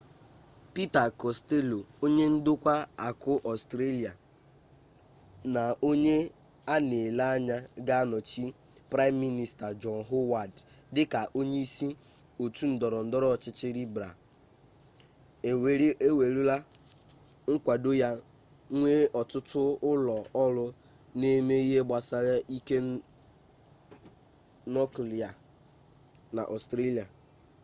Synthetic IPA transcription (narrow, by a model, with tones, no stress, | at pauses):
pi˦ta˨kɔ˨ste˦lo˨o˦ɲe˦n̩˦dʊ˦kʷa˦a˨kʊ˦ʔɔ˨stɾe˦li˨a˨ | na˨o˦ɲe˦ | a˦ne˨la˦a˦ɲa˦ɡa˦a˦nɔ˨t͡ʃi˦ | pɾa˦ɪ˦mːi˦ni˦sta˨d͡ʒɔ˨nɦo˦wa˨d | dɪ˦ka˨ʔo˦ɲe˦i˦si˦ | o˨tu˦n̩˨dɔ˨ɾɔ˨n̩˨dɔ˦ɾɔ˦˨t͡ʃɪ˦t͡ʃɪ˦ɾi˦bɾa̰˨˦ | e˦we˨ɾu˦la˦ | ŋ̩˦kʷa˨do˦ja˦ | ŋʷe˦ɔ˨tʊ˦tʊ˦ʊ˦lɔ˨ɔ˦lʊ˦ | ne˦me˦i˦ɦe˦ɡ͡ba˨sa˦ɾa˦ʔi˦ke˦ | nɔ˦kli˨a˨ | na̰˨ʔɔ˨stɾe˦li˨a˨